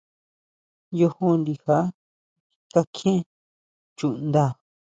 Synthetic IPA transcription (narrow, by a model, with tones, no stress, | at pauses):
jo˧hũ˧nd̪i˧ha˦ | ka˦kʰẽ˦ | t͡ʃu˧˨ʔnd̪a˦˧˨